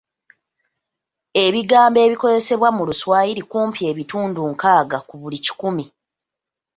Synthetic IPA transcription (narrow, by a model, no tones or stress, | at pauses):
e̞βiɡaːmbe̞ːβiko̞ze̞se̞βwamuluswaːjiɾikuːmpie̞ːβituːnduŋkaːɡakuβulici̥kumi